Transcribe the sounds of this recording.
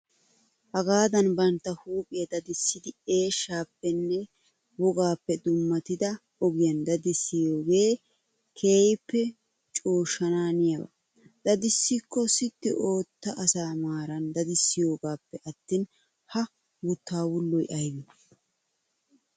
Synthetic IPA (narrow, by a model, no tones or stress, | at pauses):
hɐɡaːd̪ɐnbɐnt̪ːɐhuːpʼɪjɐd̪ɐd̪ɪsːɪd̪ɪe̞ːʃːaːpːɛnːɛ | wɔɡaːpːɛd̪ʊmːɐt̪ɪd̪ɐ | ɔɡɪjɐnd̪ɐd̪ɪsːɪjo̞ːɡe̞ː | kʰeːjpːɛ | t͡ʃʼoːʃːɐnaːnɪjɐbɐ̰ | d̪ɐd̪ɪsːɪkːɔsɪt̪ːɪʔo̞ːt̪ːɐʔɐsaːmaːɾɐnd̪ɐd̪ɪsːɪjo̞ːɡaːpːɛʔɐt̪ːiːn | hɐ | wʊt̪ːaːwʊlːɔjʔɐjwɪ